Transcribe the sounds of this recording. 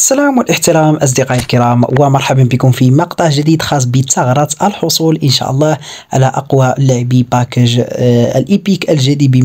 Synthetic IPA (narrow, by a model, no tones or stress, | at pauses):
ʔəsːælæmwəlʔəħt̪əɾɑmʔɑs̬ˤd̪iqɑʔəlkəɾˤɑmwəmɑɾˤħabənbikʊmfimɑqt̪ˤɑʕʒəd̪id̪xɑs̬ˤbət̪ːɑɣɾˤɑt̪ʔəlħosˤulʔənʃæ̰ʔɑlˤːɑh | ʕa̰læʔɑ̰qwaʔlːʊʕbipækəʒə̰lʔipikəlʒæd̪ibi